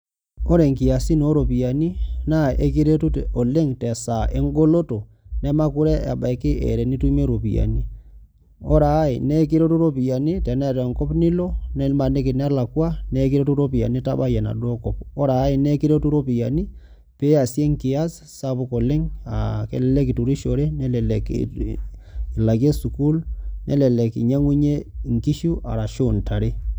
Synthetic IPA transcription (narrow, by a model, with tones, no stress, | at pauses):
o˦ɾe˨ŋkɪ˨a˨si˦no˦ɾo˨pi˨ja˨ni˦na˦˨e˦ki˦ɾe˦tu˦to˨le˦ŋtɛ˨sa˨ʔe˦ŋɡo˦lo˦to˨ | nɛ˦ma˦ku˦ɾɛ˦a̰˨ba˨kɪ˦ḛ˨ɾɛ˨ni˦tu˦me˦ɾo˨pi˨ja̰˨ni˦ | ɔ˦ɾa˨˦ḭ˨nɛ˦k̬i˦ɾe˦tu˦ɾo˦pi˨ja˨ni˦tɛ˨nɛ˦˨tɛ˨ŋkɔ˦pnɪ˦lo˦nɛ˦lma˨ne˦kɪ˨n˦la˨kwa˦nɛ˦ki˦ɾe˦tu˦ɾo˦pi˨ja̰˨ni˦ta˦ɓa˦ja˨na̰˨do˦kɔ˨p̚ɔ˦ɾaː˨˦i˨nɛ˦ki˦ɾe˦tu˦ɾo˦pi˨ja̰˨ni˦ | pe˦a˨sje˦ŋki˨a˦s | sa˦bu˦ko˨le˦ŋa˨kḛ˨lɛ˨lɛ˦ki˨tu˨ɾi˦ʃo˨ɾe˦nɛ˦lɛ˨lɛ˨k | i˨la˨ke˦su˨ku˦lnʔɛ̰˨˦lɛ˨lɛ˨kḭ˨ɲa˦ŋu˦ɲe˦˨ŋki˦ʃu˦ʔa̰˨ɾa˨ʃo˦˨nta˨ɾe˦